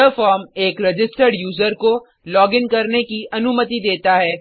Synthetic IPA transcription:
əfɔːɾmeːkɾɪd͡ʒɪsʈəɾɖjuːzəɾko | lɔːɡɪnkɐɾnekiʔɐnʊmət̪id̪eːt̪aɦɛː

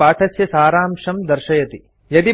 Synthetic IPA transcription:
aːʈʰɐsjɐsaːɾaːmʃɐmd̪ɐɾʃɐjɐt̪i | jɐd̪i

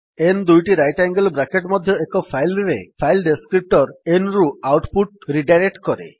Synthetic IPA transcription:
end̪ujʈiɾajʈaŋɡəlbɾakeʈmɔd̪ʱjɔekɔpʰajlɾepʰajlɖeskɾip̚ʈɔɾenɾuawʈpuʈɾiɖajɾek̚ʈkɔɾḛ

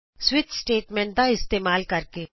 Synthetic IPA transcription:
swɪt̪sʈeːʈmẽːɳʈ̚d̪aɪst̪eːmaːlkɐɾke

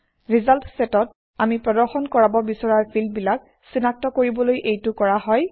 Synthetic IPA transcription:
ɹizaltsɛtɔt̚ | amipɹɔdɔɹxɔnkɔɹabɔbisɔɹaɹpʰilbilak̚ | sinak̚tɔkoɹibɔlojʔejtʊkɔɹaɦɔj

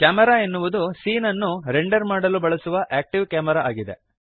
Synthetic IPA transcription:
kaːmɐɾaːenːuʋud̪usiːnɐnːuɾeɳɖɐɾmaːɽɐlubɐɭɐsuʋɐʔæːk̚ʈiʋkaːmɐɾaaːɡid̪e̞̰

